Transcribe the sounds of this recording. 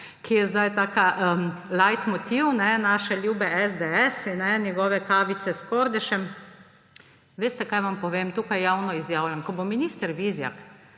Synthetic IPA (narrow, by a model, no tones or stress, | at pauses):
kʰijɛzd̪ajt̪aːkaʔəlajt̪mɔt̪iwnɛnaːʃɛljuːbɛʔɛzd̪eɛsnɛnjɛɡɔʋɛkaːʋit̪sɛskɔɾd̪ɛʃɛm | ʋeːst̪ɛkajʋampɔʋeːmt̪uːkajːawnɔizjaːwlʲjankɔbominiːst̪ɛɾʋizja̰k